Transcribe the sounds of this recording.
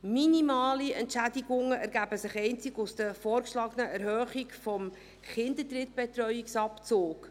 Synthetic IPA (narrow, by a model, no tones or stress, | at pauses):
minimɑːliɛntʃædiɡʊŋəʔæɾɡæbəsɪχɛɪnt͡sɪɡusd̥əfɔːɾkʃlɑːɡənəɛɾhœːχikfɔm | χɪnd̪ətrɪt̚b̥ɛtɾœʏiksɑpt͡soːk